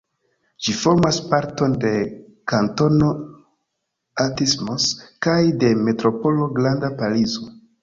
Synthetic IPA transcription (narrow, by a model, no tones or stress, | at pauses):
d͡ʒifo̞ɾmaspaɾto̞nde̞ | kanto̞no̞ | atismoskajde̞me̞tɾo̞po̞lo̞ɡlandapalizo